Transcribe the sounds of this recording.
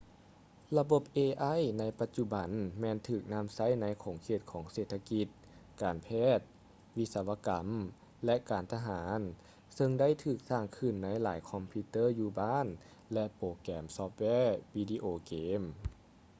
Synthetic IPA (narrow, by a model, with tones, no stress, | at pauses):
la˧bo˧˩p̚ʔeː˧ʔa˧˥˨jna˧˥jpa˧t̪̚t͡ɕu˧ba˨˦nmɛː˧nt̪ʰɯː˧˩k̚na˧˥˨msa˧˥˩jna˧˥jkʰoː˨˩˦ŋkʰeː˧˩t̪̚kʰɔː˩˦ŋseː˨˧˩t̪ʰːa˧ki˧t̪̚ | kaː˨˩npʰɛː˥˩t̪̚ | ʋi˦˥t̪̚sa˧wa˧ka˩˦m | lɛ˧ʔkaː˨˦nt̪ʰa˧ɦaː˩˦n | sɤ˧ŋda˥˨jt̪ʰɯː˧˩k̚saː˧˩ŋkʰɯ˧˩nːa˧˥jlaː˩˦jkʰɔ˧mpʰiː˧t̪ɤː˥˨juː˧baː˥˨n | lɛ˧ʔpoː˨˩kɛː˨˩msɔː˧p̚wɛː˧˥˩wiː˧diː˧ʔoː˧˩keː˨˦m